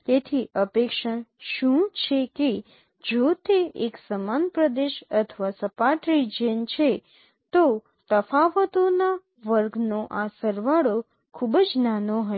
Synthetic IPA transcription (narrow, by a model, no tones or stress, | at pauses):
t̪et̪ʰiʔəpekʃaʃũt͡ʃʰeke | d͡ʒot̪eeksəmanpɾəd̪eʃət̪ʰəʋasəpaʈɾid͡ʒent͡ʃʰe | t̪o | t̪əfaʋət̪ona | ʋəɾɡʱnoʔasəɾʋaɽo | kʰubəd͡ʒnanoɦə